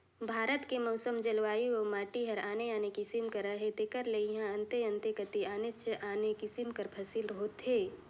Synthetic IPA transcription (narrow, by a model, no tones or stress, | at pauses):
bʱaːɾət̪kemɔʊsəmd͡ʒɐlʋaːiomaːʈiɦɐɾaːneaːnekisimkɐɾəɦet̪ekəɾleiɦãɐ̃nt̪eɐ̃nt̪ekɐt̪iaːnet͡ʃʔaːnekisimkɐɾpʰɐsilɾəɦoːt̪ɦeː